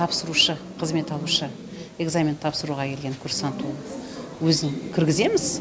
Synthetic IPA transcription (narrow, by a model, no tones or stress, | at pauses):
ɑpsəɾuʃə | qʰəzme̞t̪ɑlˠuʃə | e̞ɡzamʲent̪ʰːɑpsəɾuʁɑkʲʰe̞lɡʲe̞ŋkʰʲʊɾsɑnt̪ʰunwɵzɪŋkʲʰɪɾɡʲɪze̞mɪz